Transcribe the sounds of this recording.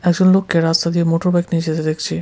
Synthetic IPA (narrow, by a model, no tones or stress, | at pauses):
ɛɡd͡ʑonlokːeɾast̪ad̪iemoʈoɾbajknid͡ʑed̪ed̪ekʰt͡ɕʰi